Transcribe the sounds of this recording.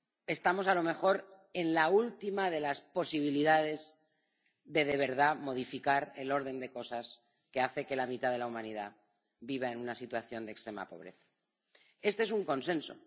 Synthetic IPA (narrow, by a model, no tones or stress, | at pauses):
e̞st̪amo̞salo̞mexo̞ɾ | e̞nlault̪imað̞e̞laspo̞siβ̞iliðað̞e̞z | ðe̞ðe̞β̞e̞ɾðamo̞ð̞ifikaɾelo̞ɾðe̞nd̪e̞ko̞sas | ke̞aθe̞ke̞lamit̪að̞e̞laumãniða | biβ̞ae̞nunasit̪waθjo̞nd̪ekst̪ɾe̞ma̰po̞̰β̞ɾe̞θḁ | e̞st̪ee̞s̬uŋko̞nsẽ̞nso̞̰